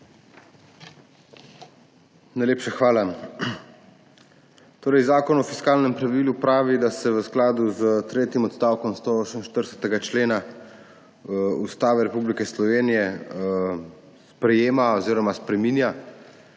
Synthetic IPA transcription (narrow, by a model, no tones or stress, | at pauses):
najleːpʃaxʋaːla | t̪oːɾɛjzaːkɔnɔfiskaːlnɛmpɾaʋilupɾaːʋid̪asɛʋəsklaːd̪uzt̪ɾeːt̪imɔt̪st̪aːwkɔmst̪oɔsəmʃt̪əɾsɛ̥t̪ɛɡat͡ʃleːna | ust̪aːʋɛɾɛpublikɛslɔʋeːnijɛ | spɾɛjeːmaɔziːɾɔmaspɾɛmiːnja